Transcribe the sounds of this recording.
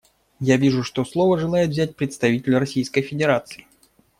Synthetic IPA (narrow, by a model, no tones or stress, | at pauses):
javʲiʐʊʂt̪oslˠovəʐɨlˠajɪt̪vzʲæt̚ʲpɾʲɪt̪st̪ɐvʲitʲɪlʲrɐsʲijskəjfʲɪdʲɪɾat̪sɨɪ